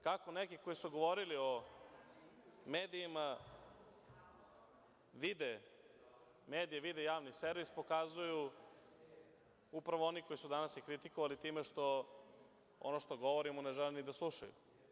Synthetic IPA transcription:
kako̞nekiko̞jisuɡo̞ʋo̞ɾilio̞ | meːd̪iːma | ʋid̪e | meːd̪ijeʋid̪ejaːʋniseɾʋispo̞kazuju | upɾaʋoo̞niko̞isud̪anasjekɾit̪ikoʋalit̪iːmeʃt̪o̞ | o̰noʃt̪o̞ɡo̞ʋoɾimone̞ʒɛlinid̪aslˠuʃajṵ

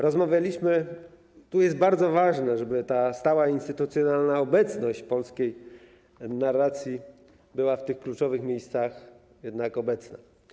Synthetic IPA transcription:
ɾɔzmavʲjalʲiɕmɘ | t̪ujɛsd̪̚baɾd̪zɔvaʐnɛʐɛbɘt̪ast̪awainst̪ɘt̪ut̪sʲjɔnalnaɔbɛt̪snɔɕt͡ɕpɔlskʲej | narːat̪sʲji | bɘwaft̪ɘxklut͡ʂɔvɘxmʲjejst̪sax | jɛd̪nakɔbɛt̪sna

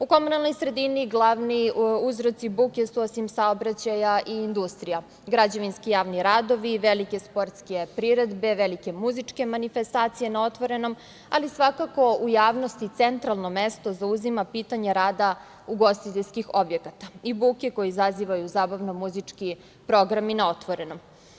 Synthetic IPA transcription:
uko̞munalno̞jsɾe̞d̪iniɡlˠaʋniuzɾo̞t̪sibukesuo̞simsaobɾat͡ɕajaʔiːnd̪ust̪ɾija | ɡɾad͡ʑaʋinskijaːʋniɾad̪o̞ʋiʋelike̞spo̞ɾt̪ske̞pɾiɾed̪be̞ʋelike̞muzit͡ʂke̞manife̞st̪aːt̪sije̞nao̞t̪ʋo̞ɾe̞no̞m | alisʋakako̞ujaːʋno̞st̪it̪se̞nt̪ɾalˠno̞mest̪o̞zauzimapiːt̪aɲeɾaːd̪a | uɡo̞st̪it̪eʎʲskixo̞bje̞kat̪aibukeko̞jiizaziʋajuzaːbaʋno̞muzit͡ʂki | pɾo̞ɡɾaminao̞t̪ʋo̞ɾe̞no̞m

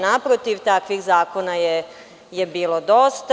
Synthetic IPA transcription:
napɾot̪iʋt̪akʋixzaːkonaje | jebiːlo̞d̪ost̪

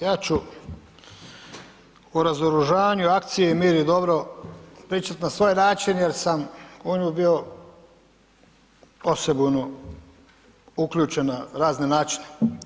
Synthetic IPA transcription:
jaːt͡ʃu | uɾazoɾuʒaːʋaɲuak̚t̪sijeimiːɾid̪o̞bɾo̞pɾiːt͡ʃat̪nasʋo̞jnaːt͡ʃinjeɾsamuɲubio̞ | osebuno | ukʎʲuːt͡ʃe̞naɾaːzne̞naːt͡ʃi̥ne̥

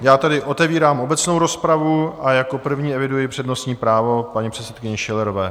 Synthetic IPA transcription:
jaːt̪ɛdɪʔo̞t̪ɛviːɾaːmʔo̞bɛt͡sno̞wɾo̞spɾavuajako̞pr̩vɲiːɛvɪdujɪpr̥ɛdno̞stɲiːpɾaːvo̞paɲipr̝̥ɛt̪t͡sɛt̪̚kɪɲɛʃɪlɛɾovɛː

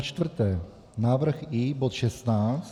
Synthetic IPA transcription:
t͡ʃt̪vr̩t̪ɛː | naːvr̩xibot̪ʃɛst̪naːt͡st̪

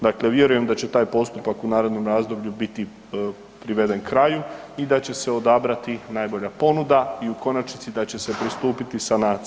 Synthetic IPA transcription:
d̪akle̞ʋje̞ɾuje̞md̪at͡ɕe̞t̪aːjpo̞st̪upakunaːɾe̞d̪no̞mɾaːzd̪o̞bʎubit̪i | pɾiʋe̞d̪e̞nkɾaju | id̪at͡ɕe̞se̞o̞d̪abɾat̪inaːjbo̞ʎapo̞nud̪aiuko̞nat͡ʃnit̪sid̪at͡ɕe̞se̞pɾist̪uːpit̪isanaː

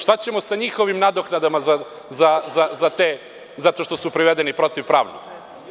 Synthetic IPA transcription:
ʃt̪at͡ɕemo̞saɲixo̞ʋimnad̪oknad̪amaza | zazazat̪e | zat̪o̞ʃt̪osupɾiʋed̪enipɾo̞t̪iʋpɾa̰ːʋnṵɡ̪

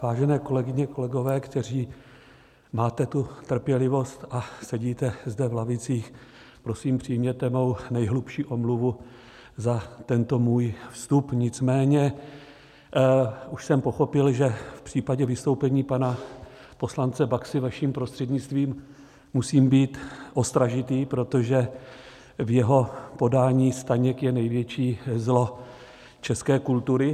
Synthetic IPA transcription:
vaːʒɛnɛːko̞lɛɡɪɲɛko̞lɛɡo̞vɛːkt̪ɛr̝iː | maːt̪ɛt̪ut̪r̩pjɛlɪvo̞st̪ʔasɛɟiːt̪ɛzdɛvlavɪt͡siːx | pɾo̞siːmpr̝̥ijmɲɛt̪ɛmo̞wnɛjɦlupʃiːʔo̞mluvu | zat̪ɛnt̪o̞muːjfst̪upɲɪt͡smɛːɲɛ | uʃsɛmpo̞xo̞pɪlʒɛfpr̝̥iːpaɟɛvɪst̪o̞wpɛɲiːpana | po̞slant͡sɛbaksɪvaʃiːmpɾo̞st̪r̥ɛd̪ɲɪt͡st̪viːmː | usiːmbiːt̪ʔo̞st̪ɾaʒɪt̪iːpɾo̞t̪o̞ʒɛ | vjɛɦo̞po̞daːɲiːst̪aɲɛkjɛnɛjvjɛt͡ʃiːzlo̞ | t͡ʃɛskɛːkult̪uɾɪ

